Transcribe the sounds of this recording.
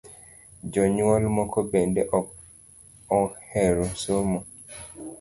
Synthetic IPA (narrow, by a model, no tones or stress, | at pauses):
d͡ʒɔɲwɔlmɔkʰɔbendeʔɔk | ɔhɛɾɔsomɔ